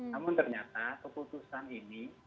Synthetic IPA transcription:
namʊnt̪ərɲat̪akəput̪usanini

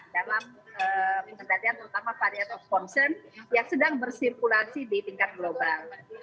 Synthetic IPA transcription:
dalaməməkəndaliant̪əɾut̪amapadiat̪awkɔnsɛrnjaŋsədaŋbərsirkulasidit̪iŋkat̪̚ɡlobal

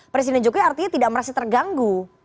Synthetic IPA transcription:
pɾes̬idɛnd͡ʒokojart̪iɲat̪idaʔməɾasat̪ərɡaŋɡu

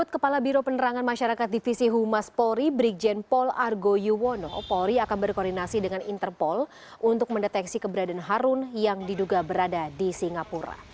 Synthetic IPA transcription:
ʊt̪̚kəpalabiɾopənəɾaŋanmaʃaɾakat̪̚difisiɦumaspɔɾibɾik̚d͡ʒɛnpɔlarɡojuwono̰poɾiakanbərkɔrdinasidəŋanint̪ərpɔl | ʔunt̪ʊk̚məndɛt̪ɛksikəbəɾadanɦaɾʊnjaŋdiduɡabəɾadadisiŋɡapuɾa̰

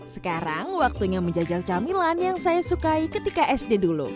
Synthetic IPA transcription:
sə̥kaɾa̰ŋwak̚t̪uɲaməɲd͡ʒad͡ʒalt͡ʃamilanjaŋsajasukaikət̪ikaʔɛsdedulṵ

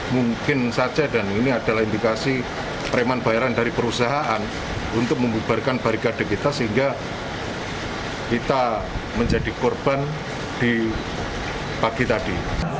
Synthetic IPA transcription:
muŋkɪnsḁd͡ʒadaniniad̥a̤lahindikasi | pəɾemanb̥ajɾandaɾipəɾusaɦaʔan | unt̪ʊk̚məmub̥arkanb̥aɾikad̥a̤kit̪asəɦiŋɡa | kit̪aməɲd͡ʒadikɔrb̥an | d̥i | paɡ̥it̪adi

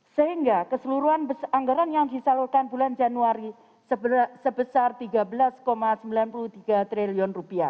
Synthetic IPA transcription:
səɦiŋɡakəsəluɾuanbəsaŋɡaɾanjaŋd̪isalulkanbuland͡ʒanuaɾi | səsəbəsart̪iɡabəlaskomasəmbilanpulut̪iɡat̪ɾeliɔnrupia

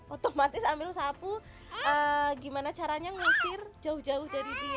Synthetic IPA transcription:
ʔot̪omat̪ɪsamɪlsapu | əɡimanat͡ʃaɾaɲaŋusɪrd͡ʒaʊhd͡ʒaʊhdadidu

